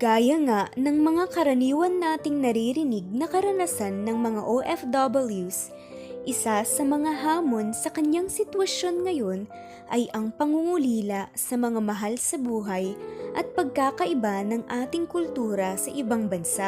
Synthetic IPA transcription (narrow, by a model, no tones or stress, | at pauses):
ɡ̥aːjɐŋaʔnɐŋmɐŋakɐɾɐniːwɐnːaːt̪ɪŋnɐɾiɾɪnɪɡ̚nɐkɐɾɐnɐsanːɐŋmɐŋa̰ʔoʔɛfd̪ɐbɐljus | ʔɪsasɐmɐŋaɦaːmo̞nsɐkɐɲjaŋsɪt̪wɐʃo̞nŋɐjo̞n | ʔɐjʔɐŋpɐŋuŋuliːlɐsɐmɐŋamɐɦalsɐbuːɦɐjʔɐt̪̚pɐɡ̚kaːkɐʔɪbanɐŋʔaːt̪ɪŋkʊlt̪uːɾɐsɐʔɪbaŋbɐnsaʔʔ